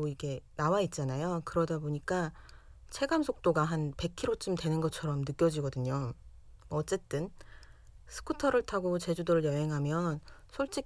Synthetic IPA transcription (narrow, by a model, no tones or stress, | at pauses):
oiɡe̞nawait̚t͡ɕ͈anajokɯɾʌdaboɲik͈a | t͡ɕʰe̞ɡamsʰok̚t͈oɡaɦanpe̞kʰiɾot͡ɕ͈umtwe̞nɯnɡʌt͡ɕʰʌɾʌmnɯk͈jʌd͡ʑiɡʌdɯɲo | mʌt͡ɕ͈e̞t͈ɯn | sʰɯ̥kʰutʰʌɾɯɭtʰaɡot͡ɕe̞d͡ʑudoɾɯɭjʌɦe̞ŋɦamjʌnsʰoɭt͡ɕ͈i